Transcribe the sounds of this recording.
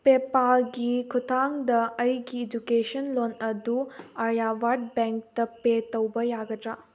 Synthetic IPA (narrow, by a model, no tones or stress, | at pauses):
pepaɡikʰutʰaŋdɐɐjɡiːd͡ʒukesɐnlonɐduɐɾjabaɾd̚beŋk̚tɐpetɐwbɐjaɡɐdɾa